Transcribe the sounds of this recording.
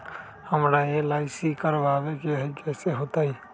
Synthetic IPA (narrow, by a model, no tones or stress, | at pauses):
həmɾaːeːlaːisiːkəɾʋaːʋekeɦekɛːseɦoːt̪aːiː